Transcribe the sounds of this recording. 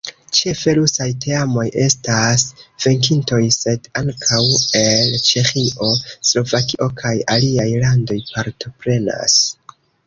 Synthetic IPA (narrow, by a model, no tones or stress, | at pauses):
t͡ʃe̞fe̞ɾusajtʰe̞amo̞je̞stasv̥e̞ŋkinto̞jse̞daŋkʰawe̞lt͡ʃe̞xiʔo̞slo̞vakiʔo̞kʰajaliajlando̞jpaɾto̞pɾe̞na̰s